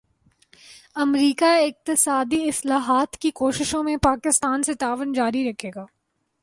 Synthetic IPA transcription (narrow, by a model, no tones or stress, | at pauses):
ɐmɾiːkaɪq̚t̪ɪsaːd̪iɪslaːɦaːt̪kikoːʃɪʃõmẽpaːkɪst̪aːnset̪aːʋənd͡ʒaːɾiɾɐkʰeːɡaː